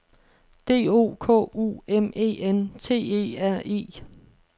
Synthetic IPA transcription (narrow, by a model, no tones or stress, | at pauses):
d̥e̝̰ːo̝̰ːkʰɔ̰̽ːṵːeme̝̰ːent͡sʰe̝̰ːe̝̰ːæɐ̰e̝̰ː